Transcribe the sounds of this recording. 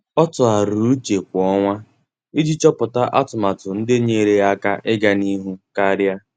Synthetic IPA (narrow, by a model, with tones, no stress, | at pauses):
ɔ˦tʊ˨a˨ɾu˨˦t͡ʃe˨kʷɔ˦ŋʷa˦ | i˦d͡ʒi˦t͡ʃɔ˦pʊ˨ta˦ʔa˦tʊ˨ma˨tʊ˨n̩˦dɪ˦ɲe˨ɾe˨a˦ka˦ʔɪ˦ɡa˨ni˦ɦu˦ka˦ɾja˦